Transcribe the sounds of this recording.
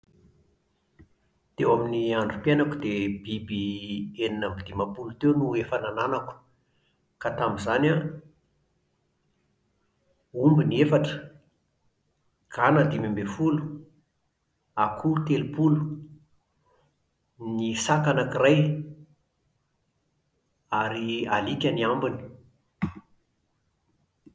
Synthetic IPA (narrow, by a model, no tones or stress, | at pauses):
t̪ewaminiaɳɖ͡ʐupjenakud̪ebibieninambid̪imapulut̪ewnuefanananaku̥ | kat̪amizana | umbiniefaʈ͡ʂə̥ | kʰanad̪imambefulu̥ | akʰut̪elupulu̥ | nisakanakiraj | aɾialikʲaniambini̥